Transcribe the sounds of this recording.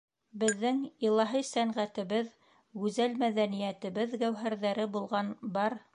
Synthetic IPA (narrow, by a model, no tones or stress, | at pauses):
bɘ̆ðːɘŋilˠɑɦɤsæɴʁæt̪ɘ̆βɘð | ɡʉzælmæðænijæt̪ɘ̆βɘðɡæwɦæɾðæɾɘbulˠʁɑnbɑɾ